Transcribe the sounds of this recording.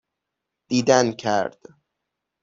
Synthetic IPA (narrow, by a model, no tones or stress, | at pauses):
d̪̥iːd̪ænkʰæ̰ɾd̪̥